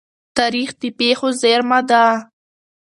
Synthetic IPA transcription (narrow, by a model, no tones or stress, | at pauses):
t̪aɾixd̪əpexozeɾmad̪a